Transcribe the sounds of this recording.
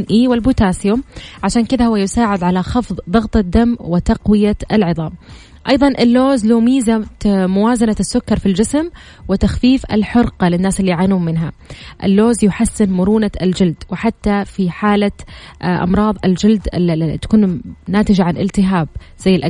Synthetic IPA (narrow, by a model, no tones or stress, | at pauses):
ʔiːwɪlbuːt̪aːsɪjʊmʕaʃaːnkɪðahʊwːajʊsaːʕɪd̪ʕalaxɑfðˤðˤɑɣt̪ˤɑd̪ːamwɪt̪ɑqwɪjaɪlʕɨðˤɑːm | ʔɑ̰jðˤɑnʔɪlːoːzloːmiːzamʊwaːzanasːʊkːɑɾˤfild͡ʒɪsm | wɪt̪axfiːfɪ̰lħɪɾqɑlɪnːaːsɪlːiʕaːnuːmmɪnɦaʔɪ̰lːoːzjʊħasːɪnmʊɾuːnaɪld͡ʒɪld̪wɪħat̪ːafiħaːlaʔɑ̰mɾˤɑːðˤɪld͡ʒɪld̪ɪt̪ḁkuːnnːaːt̪ɪd͡ʒaʕanʔɪlt̪ɪɦaːb̚z̥ajːɪlʔa